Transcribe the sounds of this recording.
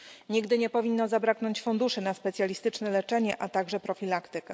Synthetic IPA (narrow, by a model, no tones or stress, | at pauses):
ɲiɡd̪ɘɲɛpɔvʲinːɔzabɾaknɔɲt͡ɕfund̪uʂɘnaspɛt̪sʲjalʲist̪ɘt͡ʂnɛlɛt͡ʂɛɲɛʔat̪aɡʐɛpɾɔfʲilakt̪ɘkɛ